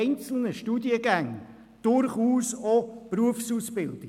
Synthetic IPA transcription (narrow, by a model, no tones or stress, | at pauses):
ɪnt͡sl̩nəʃtuːdiəɡæŋ | d̥ʊɾχuːsopruəfsuːsb̥ɪld̥ɪ